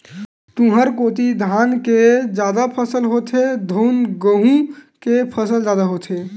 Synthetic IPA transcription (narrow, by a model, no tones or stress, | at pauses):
t̪ũɦəɾkot̪id̪ʱanked͡ʒad̪apʰəsəlɦot̪ʰed̪ʱoʊnɡəɦũkepʰəsəld͡ʒad̪aɦot̪ʰe